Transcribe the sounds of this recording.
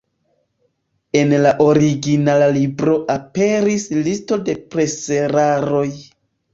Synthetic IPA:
e̞nlaʔo̞ɾiɡinalalibɾo̞ʔape̞ɾislisto̞de̞pɾe̞seɾaɾo̞j

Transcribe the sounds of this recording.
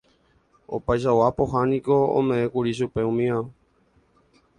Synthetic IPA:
opajʃ̬awapo̞ɦanĩkoõ̰mẽ̞ẽkuɾiʃ̬upe̞ũmĩã

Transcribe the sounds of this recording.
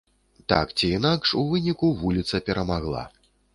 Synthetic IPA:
t̪a̰kt͡sʲiːnakʂuvɨnʲikuvulʲit̪sɐpʲɛɾɐmaɣlˠa̰

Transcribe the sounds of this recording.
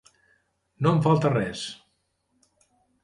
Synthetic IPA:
noəɱfalˠt̪ərɛs

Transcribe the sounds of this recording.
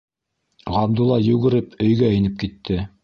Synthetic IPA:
ʁɑb̚d̪ulˠɑjʉɡɘ̆ɾɘpʰɵ̆jɡæɘ̆nɘp̚kit̪ʰːɘ

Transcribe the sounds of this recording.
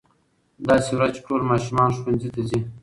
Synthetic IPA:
d̪ɑsewɾat͡ʃʈolmɑʃumɑnʃwanzit̪azi

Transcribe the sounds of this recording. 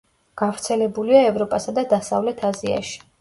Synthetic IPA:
ɡ̥avɾt̪sʰɛlɛbuliaɛvɾɔpʼasad̪ad̪asa̰vlɛt̪ʰazia̰ʃi̥

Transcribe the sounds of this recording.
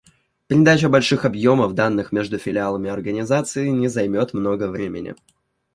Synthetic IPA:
pɾʲɪd̪at͡ɕəbɐlʲʂɨxɐbjo̞məvd̪anːɨxmʲeʐd̪ʊfʲɪlʲɪalˠəmʲɪɐrɡənʲɪzat̪sɨɪnʲɪzɐjmʲot̪mno̞ɡəvɾʲemʲɪ̰nʲɪ̰

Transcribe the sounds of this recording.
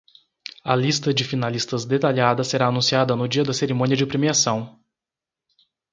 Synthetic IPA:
ɐ̰list̪ɐd͡ʒɪfinalist̪ɐzd̪et̪aʎad̪ɐseɾaːnũsiad̪ɐnʊd͡ʒiɐd̪ɐseɾimõniɐd͡ʒɪpɾemiasɐ̃w̃

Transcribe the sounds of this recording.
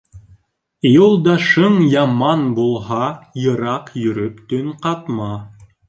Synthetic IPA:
julˠd̪ɑʃɤɴjɑmɑnbulˠɦɑjɤ̆ɾɑqjɵ̆ɾɵpt̪ɵŋqɑt̪mɑ

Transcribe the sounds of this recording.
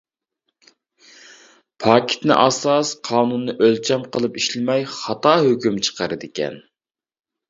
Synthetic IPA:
pʰɑːkʲʰɪ̥t̪nɪ̰ʔɑsɑsqʰɑːnunːɨʔølt͡ʃʰɛmqʰəlˠɨpiʃlɪmɛjχɑt̪ɑːɦøkʲymt͡ʃʰə̥qɑɾɨd̪ɪkʲɛ̰n

